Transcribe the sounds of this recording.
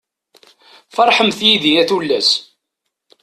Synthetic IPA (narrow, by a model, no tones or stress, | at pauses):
fɑɾˤħəmθjiðiæθulːæs